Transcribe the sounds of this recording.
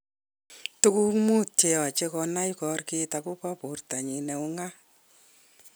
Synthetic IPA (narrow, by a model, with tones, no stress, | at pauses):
tu˦ku˦mu˦tje˨a˨t͡ʃe˧kɔ˧na˦jkɔ˧rke˦ta˨ko˦pɔ˦po˨rta˨ɲi˨nɛ˨u˦ŋa˦